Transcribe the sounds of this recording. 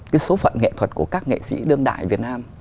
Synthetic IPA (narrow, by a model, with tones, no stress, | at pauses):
kaː˨˦jso˨˦fə̰˧˨nŋḛ˧˨t̪ʰwə˨˩t̚ku˧˩əkaː˦˥k̚ŋḛ˧˨sḭ˧˥ɗɨ˧əŋɗa̰ː˧˨jvi˨˩ət̚naː˧m